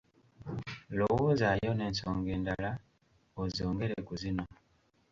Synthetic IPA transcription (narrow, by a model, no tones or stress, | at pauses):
lowoːzajo̞ne̞ːnsoːŋɡe̞ːndala | ozioːŋɡe̞ɾekuzino̞